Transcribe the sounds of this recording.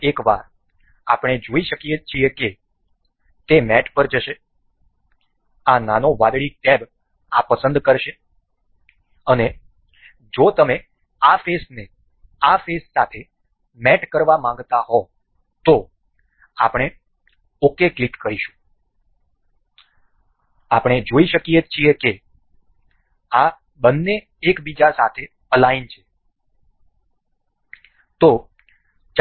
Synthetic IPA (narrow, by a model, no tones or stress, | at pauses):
ekʋa̰ɾ | apɽ̃ed͡ʒoiʃəkiet͡ʃʰieke | t̪emɛʈpəɾd͡ʒəʃe | ananoʋad̪ɭik̚tɛb | apəsənd̪kəɾʃe | əne | d͡ʒot̪əme | afesne | afesːat̪ʰe | mɛʈkəɾʋamãŋɡt̪aɦɔ | t̪o | a̰pɽ̃e | okeklikkəɾiʃũ̥ | apɽ̃ed͡ʒoiʃəkiet͡ʃʰijeke | a | bənːeː | kbid͡ʒasat̪ʰe | əlaint͡ʃʰe̥ | t̪o | t͡ʃ